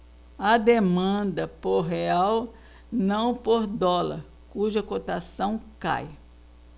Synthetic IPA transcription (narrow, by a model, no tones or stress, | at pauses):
ɐd̪emɐ̃d̪ɐpoɾɦeaw | nɐ̃w̃poɾd̪ɔlɐ̰ɾ | kuʒɐkot̪asɐ̃w̃ka̰j